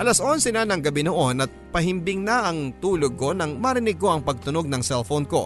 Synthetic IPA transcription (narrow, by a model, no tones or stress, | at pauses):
ʔɐlɐsʔo̞nsɛnanɐŋɡɐbɪnoʔonɐt̪̚pɐɦɪmbɪŋnaʔɐŋt̪uːloɡ̚ko̞nɐŋmɐɾɪnɪɡ̚kːo̞ɐŋpɐɡ̚t̪ʊno̞ɡ̚nɐŋsɛlfonko̞̰